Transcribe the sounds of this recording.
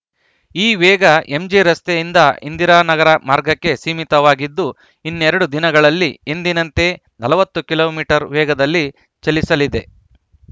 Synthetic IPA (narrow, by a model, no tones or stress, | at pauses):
iːʋɛːɡɐe̞md͡ʒiɾɐst̪ejind̪ɐind̪iɾaːnɐɡɐɾɐmaːɾɡɐkːe̞siːmit̪ɐʋaːɡid̪ːu | inːɛɾɐɽud̪inɐɡɐɭɐlːiend̪inɐnt̪e̞ | nɐlɐʋɐt̪ːukilo̞ːmiːʈɐɾʋɛːɡɐd̪ɐlːi | t͡ʃelisɐlid̪e̞